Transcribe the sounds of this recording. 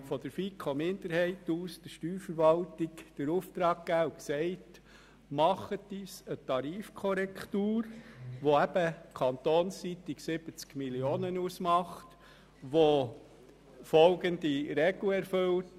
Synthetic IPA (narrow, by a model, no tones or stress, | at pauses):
fɔd̥əɾfikʰomɪndəɾhɛɪtuːsd̥əʃtyːɾfəɾʋɑltikd̥əɾuft̪ɾɑːɡ̚ɡ̥æːuksɛɪt | mɑχətd̥iːsət̪ɑɾiːfkʰɔɾɛkʰtuːɾʋoæb̥əkʰɑnt̪oːnssit̪iksɪb̥ət͡skmilioːnənusmɑχt | ʋo | fɔlɡəndiɾɛɡ̥lɛɾfɵwt